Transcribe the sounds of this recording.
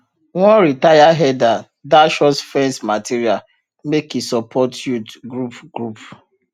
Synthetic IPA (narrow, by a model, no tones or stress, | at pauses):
wɔ̃nɾitajaɦɛda | daʃɔsfɛ̃nsmatiɾial | mekisɔpʰɔtjutɡɾupɡ̥ɾup